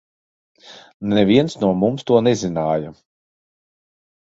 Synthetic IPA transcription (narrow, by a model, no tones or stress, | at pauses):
nɛvʲiɛnsnuɔmumst̪uɔnɛzinaːja